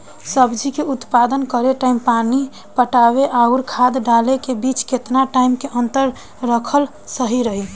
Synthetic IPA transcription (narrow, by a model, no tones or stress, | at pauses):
səbd͡ʒikeut̪pad̪ənkəɾeʈaimpani | pəʈabeʔauɾkʰad̪ɖalekebit͡ʃket̪naʈaɪmkeʔənt̪əɾː | əkʰəl | səɦiɾəɦi